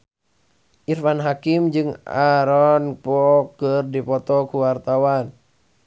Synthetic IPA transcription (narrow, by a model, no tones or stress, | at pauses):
ʔirfanɦakimd͡ʒɨŋa̰ɾɔnpɔkɨrdipɔt̪ɔkuwart̪awan